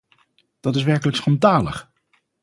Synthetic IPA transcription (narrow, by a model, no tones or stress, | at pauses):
d̥ɑtɪsʋɛɹkələksχɑndaːlə̰χ